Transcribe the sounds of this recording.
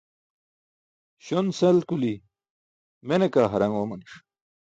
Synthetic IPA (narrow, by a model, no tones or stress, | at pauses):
ɕonselkuli | menekaːɦɐɾɐŋɡoːmɐniʂ